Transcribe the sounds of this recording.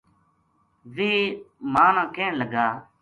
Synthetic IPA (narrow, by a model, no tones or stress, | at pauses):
ʋiːmãːnãːkeːɳləɡaː